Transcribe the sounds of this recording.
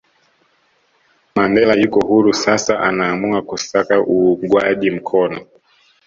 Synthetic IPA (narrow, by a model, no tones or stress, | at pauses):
mandɛlajukɔhuɾusasaʔanaːmuakusakaʔuɡwaʄim̩kʰɔnɔ